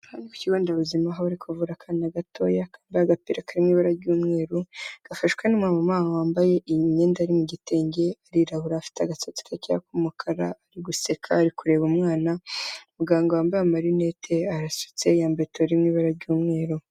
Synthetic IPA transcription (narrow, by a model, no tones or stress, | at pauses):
haniku̥ciɡoːndaβuzimaɦaβaɾikʰovuɾakʰaːninaɡatʰo̞̰ːjakʰaːmbaaɡapiɾakaɾimŋiːβaɾaɾɟuːmŋe̞ːɾuɡ̥afaʃu̥kanimwamamaːmawaːmbaje̞ʔiɲeːndaɾimuɟite̞ːɲɟe̞aɾiɾahuɾaːfi̥teaɡasot͡si̥kacijakumukʰaɾaːɾiɡusekʰa̰ːɾikuɾe̞βumŋaːnaumuɡaːŋɡowaːmbajamaɾinetʰe̞aɾasu̥t͡se̞jaːmbetoɾimŋiːβaɾaɾɟuːmŋe̞ːɾu